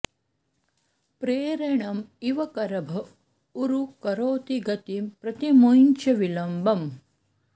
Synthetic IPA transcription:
pɾeːɾeɳɐmiʋɐkɐɾɐbʱɐ | uɾukɐɾoːt̪iɡɐt̪impɾɐt̪imojnt͡ʃɐʋilɐmbɐm

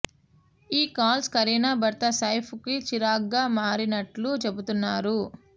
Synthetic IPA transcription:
iːkaːlskɐɾiːnabɐɾt̪ɐsɐjpʰukit͡ʃiɾaːɡːaːmaːɾinɐʈlut͡ʃe̞but̪unːaːɾu

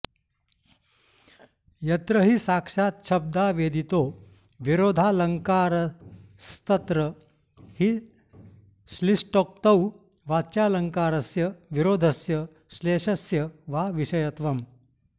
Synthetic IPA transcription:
jɐt̪ɾəɦiːsakʂaːt̪ʃɐb̚d̪aʋed̪ʱit̪o | ʋiɾoːd̪ʱaləŋkaːɾst̪ɐt̪ɾə | hi | slisʈok̚t̪ɐw | ʋat͡ɕjaːləŋkaːɾɐsjɐʋiɾoːd̪ʱəsjɐ | ɕleːʂɐsjɐʋaʋiɕɐjɐt̪ʋɐm

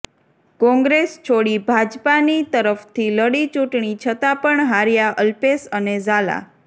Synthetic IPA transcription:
kɔ̃ŋɡɾest͡ʃʰoɽibʱad͡ʒpanit̪əɾəft̪ʰiləɽit͡ʃũʈɳit͡ʃʰət̪apəɳɦaɾijaʔəlpesənezala̰

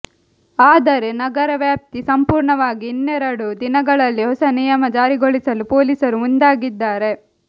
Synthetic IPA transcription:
aːd̪ɐɾe̞nɐɡɐɾɐʋjaːp̚t̪isɐmpuːɾɳɐʋaːɡiːnːeɾɐɽud̪inɐɡɐɭɐlːiɦɔsɐnijɐmɐd͡ʒaːɾiɡoɭisɐlupoːlisɐɾumund̪aːɡid̪ːaːɾe̞

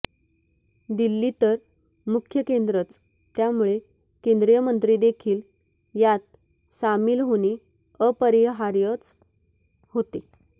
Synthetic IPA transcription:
d̪ilːiːt̪əɾ | mukʰjəkend̪ɾət͡s | t̪jamuɭe | kend̪ɾijəmənt̪ɾiːd̪ekʰiːl | jat̪̚ | samiːlɦoñi | əpəɾiɦaɾjət͡s | hot̪i

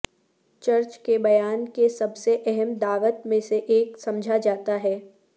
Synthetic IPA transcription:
t͡ʃɐɾt͡ʃkebɐjaːnkesɐbseʔɛɦɛmd̪aːʋət̪mẽseʔeːksɐ̃md͡ʒʱad͡ʒaːt̪aɦɛː

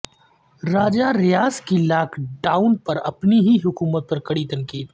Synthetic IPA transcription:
ɾaːd͡ʒaɾɪjaːzkilaːkʰɖaːʊnpɐɾɐpniɦiɦʊkuːmət̪̚pɐɾkɐɽit̪ɐ̃ŋkiːd̪

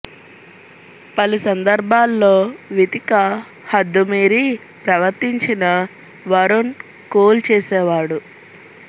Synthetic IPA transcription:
pɐlusɐnd̪ɐɾbʱaːlːoːʋit̪ikɐ | hɐd̪ːumeːɾi | pɾɐʋɐɾt̪iɲt͡ʃinɐ | ʋɐɾon | koːlt͡ʃɛːsɛːʋaːɽu

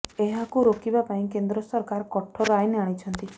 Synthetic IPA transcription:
eɦakuɾokibapaĩkend̪ɾɔsɔɾkaɾkɔʈʰɔɾajneaɽ̃it͡ʃʰɔnt̪i

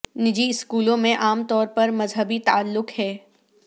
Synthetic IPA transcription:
nɪd͡ʒiɪskuːlõmẽʔaːmt̪ɔːɾpɐɾmɐzɦəbit̪aːlːʊkhɛː

